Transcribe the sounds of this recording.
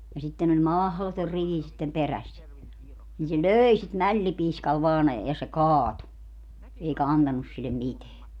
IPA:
jɑ sitːen olʲ mɑhlotor riʋi sitːem peræsːæ niː se løːi sit mælːipiːskɑl ʋɑːn jɑ se kɑːtu eikɑ ɑntɑnus silːem miteæ

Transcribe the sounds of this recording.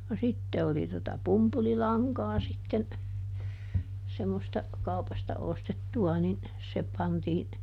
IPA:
no sitːe oli totɑ pumpulilɑŋkɑː sitːen semːostɑ kɑupɑstɑ ostetːuɑ nin se pɑntiː

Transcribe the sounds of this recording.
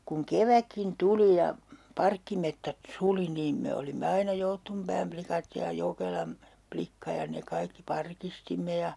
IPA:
kuŋ keʋækːin tuli jɑ pɑrkːimetːæt suli niːm me olimːe ɑinɑ joutːumpæːm plikɑt jɑ jokelɑm plikːɑ jɑ ne kɑikːi pɑrkistimːe jɑ

